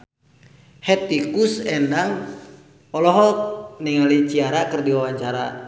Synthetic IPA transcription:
hɛt̪ikusɛndaŋ | ɔlɔɦɔniŋalit͡ʃiaɾakɨrdiwawaɲt͡ʃaɾa̰

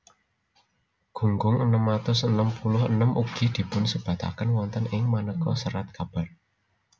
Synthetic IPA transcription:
ɡ̥ṳŋɡʊŋənəmat̪ʊsənəmpulʊɦənəmʔuɡ̥i̤d̪̥i̤pʊnsəb̥a̤t̪a̰kənwɔnt̪ənɪŋmanəkɔsəɾat̪̚kab̥a̤r

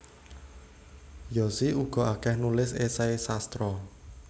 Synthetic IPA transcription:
jɔsiuɡ̥ɔ̤akɛhnulɪsesaesast̪ɾɔ

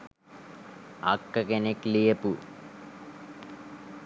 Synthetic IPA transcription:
a̰kːɐkeneklijəpu

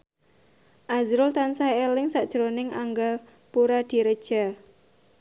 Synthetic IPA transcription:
ʔazɾʊlt̪ansaelɪŋsaʔd̥ʒ̥ɾonɪŋaŋɡa | puɾad̪̥i̤ɾəd̥ʒ̥a̤

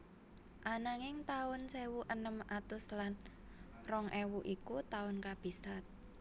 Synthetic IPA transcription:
ʔanaŋɪŋt̪aʊnsewuʔənəmat̪ʊslan | rɔŋʔɛwuʔikut̪aʊnkab̥i̤sat̪̚

